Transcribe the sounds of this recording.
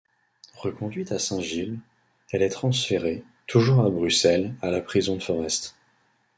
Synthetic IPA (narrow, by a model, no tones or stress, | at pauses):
ʁəkɔ̃d̪ɥit̪asɛ̃ʒil | ɛlɛt̪χɑ̃sfeʁe | t̪ʰuʒuʁabʁysɛlalapχizɔ̃d̪əfɔʁɛst̪